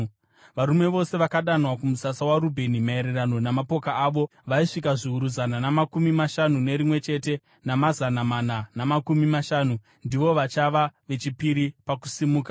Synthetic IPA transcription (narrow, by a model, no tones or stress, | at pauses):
ʋaɾumwe̞ʋo̞se̞ʋakaɗanwakumusasawaɾubʱe̞nimae̞ɾerano̞namapo̞kaaːʋo̞ʋaiʂikaʐiɦuɾuzananamakumimaʃanune̞ɾimwe̞t͡ʃe̞te̞ | namazanamananamakumimaʃaːnu | ndiʋo̞ʋat͡ʃaʋaʋe̞t͡ʃipiɾipaku̥simuːka